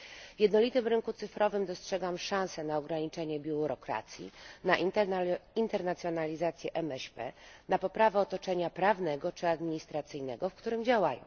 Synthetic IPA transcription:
vjɛd̪nɔlʲit̪ɘmɾɘŋkut̪sɘfɾɔvɘmd̪ɔstʂɛɡamʂãñsɛnaɔɡɾaɲit͡ʂɛɲɛbʲjuɾɔkɾa̰t̪sʲjḭna | int̪ɛɾnat̪sʲjɔnalʲizat̪sʲjɛʔɛmɛɕpɛ̰napɔpɾavɛɔt̪ɔt͡ʂɛɲapɾavnɛɡɔt͡ʂɘad̪mʲiɲist̪ɾat̪sɘjnɛɡɔfkt̪uɾɘmd͡ʑawajɔ̰̃w̃

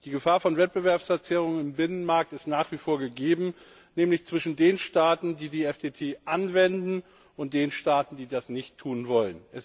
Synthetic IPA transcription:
d̥iːɡəfaːɐfɔnvɛt̚b̥əvɛɐpsfɛɐt͡sɛːʁ̞ʊŋənɪmbɪnənmaɐk̚tɪstnaːχv̥ifoːɐɡəɡeːbm̩ | nɛːmlɪçt͡sv̥ɪʃn̩deːnʃtaːtn̩diːdiːɛfd̥eːtʰeːʔanvɛndn̩ | ʔʊnt̚d̥eːnʃtaːtn̩diːdasnɪçtʰːuːnvɔlənʔɛs

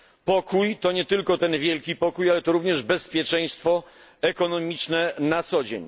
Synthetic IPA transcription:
pɔkujt̪ɔɲɛt̪ɘlkɔt̪ɛnvʲjɛlkʲipɔkujalɛt̪ɔɾuvɲɛʐbɛspʲjɛt͡ʂɛ̃j̃st̪fɔ | ɛkɔnɔmʲit͡ʂnɛnat̪sɔd͡ʑḛɲ

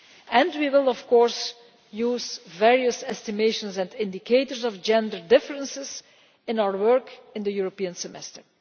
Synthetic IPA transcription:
ɛ̃ndwiwɪlˠɔfkɔɹs | juːzvɛɹiəsɛstɪmeɪʃə̃nsɛ̃ndɪ̃ndikʰeɪtəɹzɔvd͡ʒɛ̃ndəɹdɪfəɹə̃nsɪz | ɪ̃nawəɹwɜɹkɪ̃nd̪əjuɹopiə̃nsɛmɛ̰stəɹ

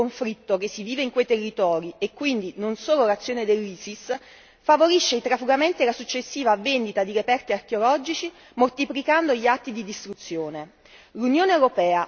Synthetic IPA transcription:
oɱfɾit̪ːok̟esːiviːveiŋkwejt̪erːit̪ɔːɾiekːwind̪inonsoːlolat̪sːjoːned̪elːiːsis | favoɾiʃːeit̪ɾafuɡament̪ilasut͡ʃːesːiːvavend̪it̪ad̪iɾepɛrt̪iark̟eolɔːd͡ʒit͡ʃi | mort̪iplikand̪oʎiat̪ːid̪id̪ist̪ɾut̪sːjoːne | lunjoːneewɾopɛːa

